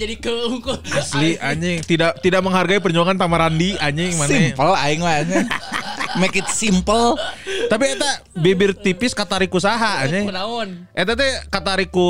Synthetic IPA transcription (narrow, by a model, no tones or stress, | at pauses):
d͡ʒadikəukʊasliaɲɪŋt̪idaʔt̪idak̚məŋɦarɡaip̬ərɲuaŋant̪amaɾandiaɲɪŋmanimpəlaɪŋlaɲɛ | mekɪt̪simpəlt̪ap̬iet̪abebɪrt̪ipɪskat̪aɾikusaɦaaɲanaʊnʔet̪at̪̬ɛkat̪aɾiku